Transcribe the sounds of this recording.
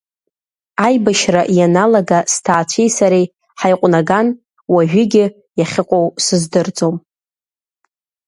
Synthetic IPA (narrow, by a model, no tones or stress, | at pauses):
ajbaʃraʔjanalaɡastʰaːt͡ɕʷʰejsaɾej | ħajqʷʼnaɡan | waʒᶣɪɡʲɪ | jaχʲɪqʷʼowsɨzdɨrd͡zʼo̞m